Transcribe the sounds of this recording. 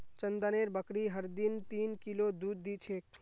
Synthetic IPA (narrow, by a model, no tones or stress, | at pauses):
t͡ʃənd̪əneɾbəkɾiɦəɾd̪ɪnt̪iːnkilod̪uːd̪ːit͡ʃʰeːk